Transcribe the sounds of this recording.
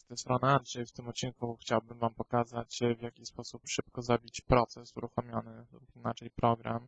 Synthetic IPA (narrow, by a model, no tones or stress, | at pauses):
t̪ɛst̪ɾɔnaandʐɛjft̪ɘmɔt̪̚t͡ɕːinkuxt͡ɕawbɘmvampɔkazat͡ɕvʲjakʲispɔsupʂɘp̚kɔzabʲit͡ɕpɾɔt̪sɛsuɾuxɔmʲjɔnɘlupinat͡ʂɛjpɾɔɡɾa̰m